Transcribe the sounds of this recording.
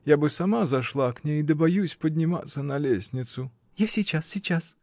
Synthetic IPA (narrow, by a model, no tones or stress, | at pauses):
jabɨsɐmazɐʂlˠaknʲejd̪əbɐjusʲpədʲnʲɪma̰t̪sːənɐlʲesʲnʲɪt̪sʊ | jasʲit͡ɕasʲit͡ɕas